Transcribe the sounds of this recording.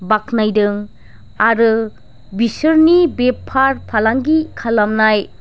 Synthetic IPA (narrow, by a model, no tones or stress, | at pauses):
bak̚najdɯŋ | aɾɯ | bisɯɾnibepʰːaɾpʰalaŋɡikʰalamnaj